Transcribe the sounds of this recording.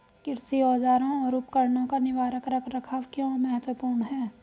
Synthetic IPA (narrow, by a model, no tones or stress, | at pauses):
kɪɾsiɔːd͡ʒaːɾõɔːɾʊpkəɾnõkanɪʋaːɾəkɾəkʰɾɐkʰaːʋkjõmɐɦət̪wəpuːɾɳɦɛː